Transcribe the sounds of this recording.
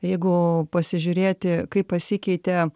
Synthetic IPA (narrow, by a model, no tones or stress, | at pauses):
jɛɪɡʊpɐsʲɪʒʲʊɾʲeːt̪ʲɪkɐɪppːɐsʲikʲɛɪt̪ʲɛ